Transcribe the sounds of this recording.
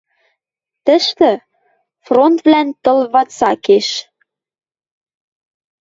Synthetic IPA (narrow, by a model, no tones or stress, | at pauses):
t̪ə̆ʃt̪ɘ̆ | front̪vlænt̪ɤ̆lβɑt͡sɑkeʃ